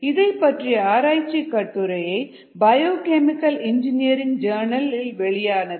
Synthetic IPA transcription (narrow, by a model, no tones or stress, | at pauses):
ɪðɐɪpːɐʈrijɐaːɾaːjt͡ʃːikːɐʈːɯɾɐjɐɪ | bɐjoːkɛmɪkːɐlɪnd͡ʒɪnɪjɐɾɪŋd͡ʒɐːɾnɐlɪlʋɛɭɪjaːnɐðɯ